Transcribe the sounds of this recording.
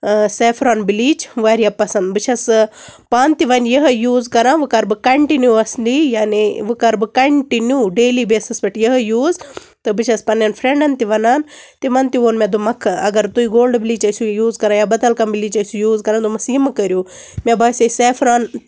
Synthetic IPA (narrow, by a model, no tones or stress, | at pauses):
seːfʰɾaːnbiliːt͡ʃʋaːɾijapɐsɐnd̪bɨt͡ʃʰɐspaːnt̪iʋɐnjɐɦɐjuːzkɐɾãːnʋɨkɐɾbɨkɐɳʈinjuɐslijaːniʋɨkɐɾbɨkɐɳʈinjuːɖeːlibeːsɐsbɐʈjɐɦjuːz | t̪ɨbɨt͡ʃʰɐspɐnjɐnfʰɾeɳɖɐnt̪iʋɐnaːn | t̪imɐnt̪iʋoːnmʲɐd̪umɐkʰɐɡɐɾt̪uiɡoːlɖbiliːt͡ʃɐjsʲujuːzkɐɾãːjaːbɐd̪ɐlkɐmbiliːt͡ʃɐjsujuːzkɐɾaːnd̪umɐsiːmɨkɐɾʲjuː | mʲabʱɐːsʲɐseːfʰɾaːn